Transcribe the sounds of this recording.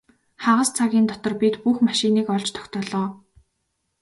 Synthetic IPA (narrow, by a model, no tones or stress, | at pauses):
χaʁə̆st͡sʰaɣʲiːnt̪ɔt̪ɞ̆rpit̪puxmaʃiniːkɔɮt͡ɕt̪ʰɔ̥xʲt̪ɔːɮɔː